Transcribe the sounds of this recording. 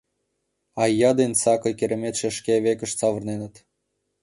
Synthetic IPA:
ɑjːɑd̪ensɑkɤ̆jkʲeɾĕmet̪ʃeʃkʲeβekə̆ʃt͡sɑʋə̆rnenə̆t̪

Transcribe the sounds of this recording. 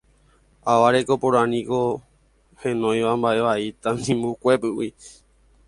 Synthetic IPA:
aʋaɾeko̞põɾ̃anĩko̞ | hẽ̞nõ̞j̃ʋambaʔe̞ʋait̪anĩmbukʷe̞pɨwi

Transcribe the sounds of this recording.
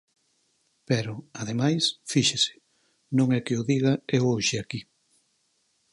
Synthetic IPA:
pɛɾʊaðemajsfiʃesɪ̥ | nõŋɛkɪʊðiɣɐewoʃɪaki

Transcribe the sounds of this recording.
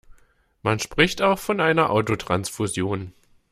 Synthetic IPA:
manʃpʁ̥ɪçtaʊxfɔnʔaɪnɐʔaʊtotʁ̥ansfuzjoːn

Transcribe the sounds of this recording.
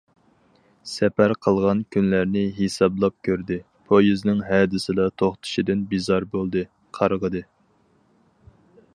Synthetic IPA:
sɛpæɾqʰəlˠʁɑnkʲʰynlæɾnɪɦesɑblˠɑp̚kʲʰøɾd̪ɪ | pʰojiznɪŋɦɛːd̪ɪsɪd̪ɑt̪ʰoχt̪ʰɨ̥ʃid̪ɪnbizɑɾbolˠd̪ɨ | qʰɑɾʁəd̪ɨ

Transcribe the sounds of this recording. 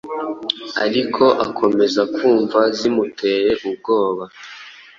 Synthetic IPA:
a̰ɾikʰo̞ʔakʰo̞me̞zakʰuːɱvazimutʰe̞ɾe̞ʔub̚ɡo̞ːβa

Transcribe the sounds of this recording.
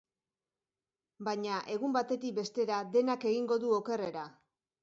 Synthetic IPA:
baɲaʔe̞ɣumbat̪e̞t̪ik̚be̞st̪e̞ɾaðe̞nake̞ɣiŋɡo̞ðuoke̞re̞ɾa

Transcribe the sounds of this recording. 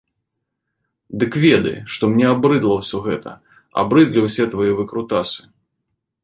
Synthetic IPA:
d̪ɨkvʲɛd̪ɐ̰jʂt̪ɔmnʲɛabɾɨd̪lˠɐwsʲɔɣɛt̪ɐ̰ | a̰bɾɨd̪lʲiwsʲɛt̪vɐjɛvɨkɾut̪asɨ̥

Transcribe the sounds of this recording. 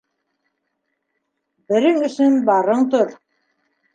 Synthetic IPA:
bɘ̆ɾɘŋɵ̆sɵnbɑɾɤɴt̪oɾ

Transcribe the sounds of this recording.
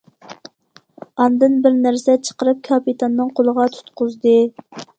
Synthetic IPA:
ɑnd̪ɨnbɪɾnæɾsɛt͡ʃʰə̥qəɾɨp̚kʰɑpit̪ʰɑnːɨŋqʰolˠəʁɑt̪ʰu̥t̪qʰʊzd̪ɨ

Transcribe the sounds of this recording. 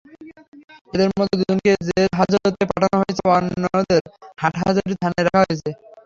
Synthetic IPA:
ed̪eɾmɔd̪ʱːed̪ud͡ʑonked͡ʑeɾɦad͡ʑoɾot̪epaʈʰanoɦojet͡ɕʰebanːd̪eɾhaʈɦa̰d͡ʑaɾʈit̪ʰaneɾakʰaɦojet͡ɕʰe

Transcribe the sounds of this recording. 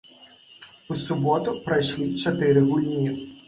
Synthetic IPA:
usʊbɔt̪ʊpɾɐjʃlˠit͡ʃɐt̪ɪɾɪɦʊlʲnʲiw

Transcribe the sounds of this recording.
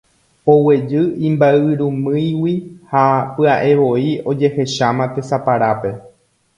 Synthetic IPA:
o̞we̞d͡ʒɨĩmbaɨɾũmɨ̃jwihapɨaʔe̞ʋo̞io̞d͡ʒe̞he̞ʃamãt̪e̞sapaɾape̞

